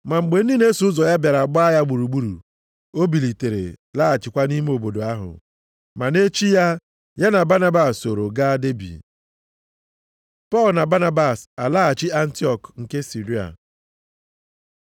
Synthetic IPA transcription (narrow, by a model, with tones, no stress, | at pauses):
ma˨ŋ͡m̩˨ɡ͡be˨n̩˦di˦ne˦su˨˦ʊ˦zɔ˨ja˦bja˨ɾa˨ɡ͡ba˦a˦ja˦ɡ͡bu˨ɾu˨ɡ͡bu˦ɾṵ˨ | o˦bi˨li˨te˨ɾḛ˨la˦a˨t͡ʃɪ˨kʷa˦ni˦me˦o˨bo˨do˨a˦ɦʊ̰˨ | ma˨ne˦t͡ʃi˦ja˦ | ja˦na˨ba˦na˦ba˨so˨ɾo˨ɡa˦a˦de˦bḭ˨ | pɔ˦˨lna˨ba˦na˦ba˨sa˨la˦a˨t͡ʃɪ˦a˦n̩˦ti˦ɔ˦˨kŋ̩˨ke˦si˨ɾi˦a̰˨